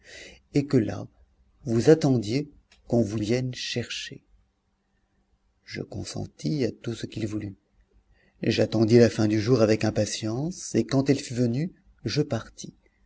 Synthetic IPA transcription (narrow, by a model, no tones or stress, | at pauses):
ekəla̰ | vuzat̪ɑ̃d̪je | kɔ̃vuvjɛnʃɛʁʃe | ʒə̰kɔ̰̃sɑ̰̃t̪ʰiat̪usəkilvuly | ʒat̪ɑ̃d̪ilafɛ̃d̪yʒuʁavɛkɛ̃pasjɑ̃sekɑ̃t̪ɛlfyvəny | ʒəpaʁt̪ʰi̥